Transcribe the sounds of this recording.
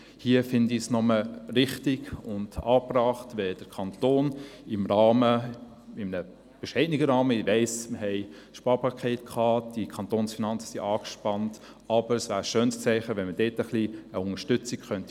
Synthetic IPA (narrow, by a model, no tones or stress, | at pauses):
hiəfɪndisnɔməɾɪχtiɡʊndɑːprɑːχtvɛd̥əkʰɑntoːnɪmɾɑːmə | ɪmənə | b̥ɛʃɛɪniɡəɾɑːməivɛɪsməhɛɪ | ʃpɑːɾpɑkʰɛːtkʰχɑːd̥ikʰɑntoːnsfinɑnt͡sə̥siʔɑːkʃpɑnt | ɑb̥əɾəsvʋæːɾəʃøːnst͡sɛɪχəʋɛnməd̥ɛːtəχliəʊŋəʃtʏt͡sikχœnt